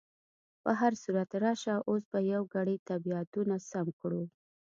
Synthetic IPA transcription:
pəɦaɾsuɾat̪ɾɑʃaʔos̬bajawɡaɽəjt̪abiat̪unasamkɽu

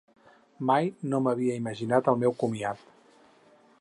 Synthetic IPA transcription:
majnoməβiəiməʒinat̪əlˠmɛwkumiat̪

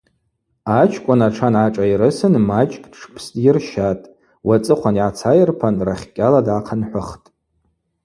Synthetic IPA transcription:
at͡ʃʰkʷʼʊnaʈ͡ʂʰanaʈ͡ʂʼaiɾɨsɨnmat͡ʃʼkʼdʈ͡ʂʰpʰstʼjɪrʃatʼ | wat͡sʼɨqʷʰaniʕat͡sʰajɪrpʰanraχʲkʲʼaladaqʰanħʷʊχtʼ

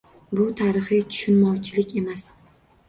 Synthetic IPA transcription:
bʊt̪ʰaɾɪχɪt̪ʰʊ̥ʃʊnmɒwt͡ʃʰɪlɪkʲe̞mas

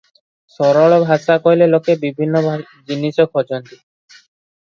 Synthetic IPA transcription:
sɔɾɔɭɔbʱasakɔjlelokebibʱinːɔ | d͡ʒinisɔkʰɔt͡ʃɔnt̪i

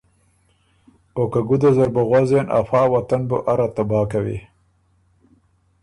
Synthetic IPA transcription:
okaɡud̪azaɾbaɣwazenʔa̰fɑːwat̪anboʔaɾat̪abɑːkawḭ

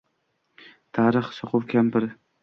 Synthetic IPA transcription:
t̪ʰaːɾɨχsoqʰʊwkʲʰampɪɾ

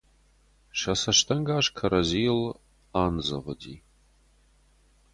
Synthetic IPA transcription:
ʃɐsɐʃtʰɐŋɡaːʃkʰɐɾɐziːl | aːnzɐ̰ʁədiː

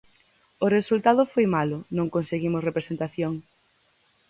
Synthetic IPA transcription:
ʊresult̪aðʊfojmalʊnõŋkonseɣimʊsrepɾesent̪aθjoŋ

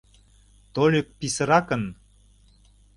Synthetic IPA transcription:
t̪olʲøk̚pisə̆ɾɑkə̆n

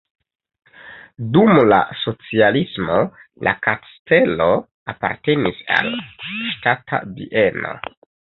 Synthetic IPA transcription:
dumla̰so̞t͡sialismo̞lʔakaste̞lo̞ | apaɾte̞nisa̰lʃtatʰa̰viʔeno̞̰

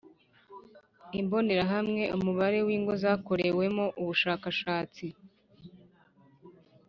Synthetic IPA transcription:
imbo̞ne̞ɾaɦamŋe̞ʔumuβaɾe̞wiːŋɡo̞zaːko̞ɾe̞we̞mo̞ʔuβuʃaːkaʃaːt͡si

